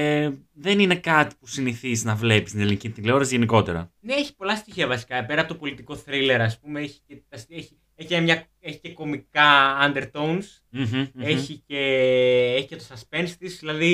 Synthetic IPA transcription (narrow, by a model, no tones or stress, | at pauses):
eðe̞nine̞kɐt̪i̥pusiniθiznɐvle̞pist̪inelinicit̪ileoɾɐsʝe̞niko̞t̪eɾɐ̰neeçi̥po̞lɐst̪içiɐvɐsi̥kɐpe̞ɾɐpo̞t̪o̞polit̪iko̞θɾile̞ɾɐspumeeçi̥cet̪ɐseçi | eçienɐmɲɐ | eçi̥ce̞ko̞mikɐːnd̪e̞ɾt̪o̞wns | e̞çiceeçi̥cet̪osɐspe̞nst̪izðilɐði